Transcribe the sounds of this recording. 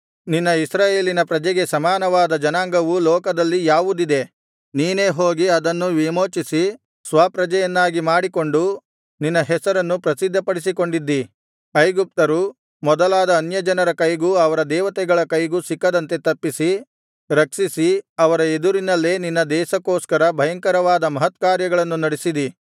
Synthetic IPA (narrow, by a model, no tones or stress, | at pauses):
ninːɐisɾaːje̞ːlinɐpɾɐd͡ʒɛɡe̞sɐmaːnɐʋaːd̪ɐd͡ʒɐnaːŋɡɐʋulɔːkɐd̪ɐlːijaːʋud̪id̪e̞ | niːne̞ːɦoːɡiɐd̪ɐnːuʋimo̞ːt͡ʃisi | sʋaːpɾɐd͡ʒɐjɐnːaːɡimaːɽiko̞ɳɖu | ninːɐɦɛsɐɾɐnːupɾɐsid̪ʱːɐpɐɽis̬iko̞ɳɖid̪ːi | ɐjɡup̚t̪ɐɾu | mɔd̪ɐlaːd̪ɐːnjɐd͡ʒɐnɐɾɐkɐjɡuːɐʋɐɾɐd̪ɛːʋɐt̪ɛɡɐɭɐkɐjɡuːsikːɐd̪ɐnt̪e̞t̪ɐpːisi | ɾɐkʂisiɐʋɐɾɐed̪uɾinɐlːe̞ːninːɐd̪ɛːʃɐkːoːskɐɾɐbʱɐjɐŋkɐɾɐʋaːd̪ɐmɐɦɐt̪kaːɾjɐɡɐɭɐnːunɐɽisid̪i